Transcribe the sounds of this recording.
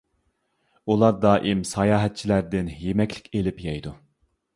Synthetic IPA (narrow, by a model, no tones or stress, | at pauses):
ulˠɑɾd̪ɑːʔimsɑjɑːɦɛt̪̚t͡ʃʰilæɾd̪ɪnjemɛkʲlɪ̥kʲelɪpjɛjd̪u